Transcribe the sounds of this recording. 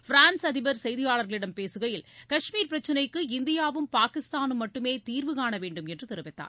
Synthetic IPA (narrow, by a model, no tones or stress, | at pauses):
fɪɾaːnsɐðɪbɐɾsɛjðɪjaːɭɐɾɣɐɭɪɽɐmpeːsɯɣɐjɪlkɐʂmiːɾpɪɾɐt͡ʃːɐnɐɪkːɯɪnd̪ɪjaːʋɯmpaːkɪst̪aːnɯmːɐʈːɯmeːt̪iːɾʋɯkaːnɐʋeːɳɖɯmɛndrɯt̪ɪɾɯʋɐɪt̪ːa̰ːɾ